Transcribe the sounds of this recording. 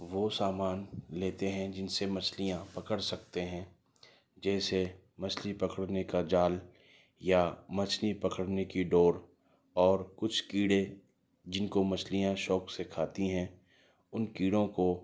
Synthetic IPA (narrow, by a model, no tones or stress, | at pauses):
ʋoːsaːmaːnleːt̪eɦɛ̃d͡ʒɪnsemɐt͡ʃʰlijãpɐkəɽsɐk̚t̪eɦɛ̃ː | d͡ʒɛːse | mɐt͡ʃʰlipɐkəɽnekad͡ʒaːl | jamɐt͡ʃnipɐkəɽnekiɖoːɾ | ɔːɾkʊt͡ʃʰkiːɽe | d͡ʒɪnkomɐt͡ʃʰlijãʃɔːksekʰaːt̪iɦɛ̃ | ʊnkiːɽõko